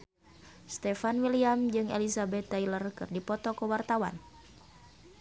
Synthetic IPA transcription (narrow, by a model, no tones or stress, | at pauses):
st̪ɛfanwiliamd͡ʒɨŋḛlisabɛt̪ːajlərkɨ̰rdipɔt̪ɔkəwart̪awan